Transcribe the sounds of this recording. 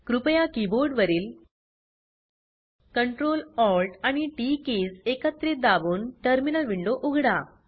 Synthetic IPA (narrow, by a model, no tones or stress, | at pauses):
kɾupəjakiboɾɖʋəɾiːl | kəɳʈɾolɔlʈaɽ̃iʈikesekət̪ːɾed̪abuːnʈəɾminəlʋiɳɖoʔuɡʱɽa